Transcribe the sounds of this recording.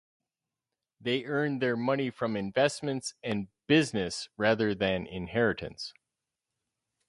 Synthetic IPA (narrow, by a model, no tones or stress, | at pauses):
ðeɪʔɜ̃˞nðə˞mʌnifɹʌ̃mɨ̃ɱvɛsmɨ̃ntsɨ̃nb̥ɪznɨsɹæðə˞ðɨ̃nɪ̰̃nhɛɹɨɾɨ̰̃ns